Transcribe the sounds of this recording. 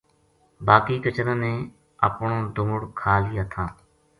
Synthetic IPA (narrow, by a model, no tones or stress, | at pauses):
baːkiːkət͡ʃənənẽː | ə̰pɳõːd̪ʊːʊɽkʰaːliːət̪ʰãː